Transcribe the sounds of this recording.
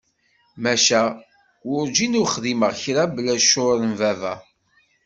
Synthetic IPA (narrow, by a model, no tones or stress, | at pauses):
mæʃæ | ʊɾd͡ʒinuχðiməʁçɾablæʃʊɾənvævæ̰